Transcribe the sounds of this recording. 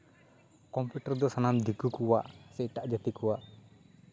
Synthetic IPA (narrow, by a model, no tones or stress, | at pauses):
kɔmpjuʈaɾd̪ɔsanamd̪ʱikukuwaʔsɛʔʈaʔd͡ʒat̪ikɔwaʔ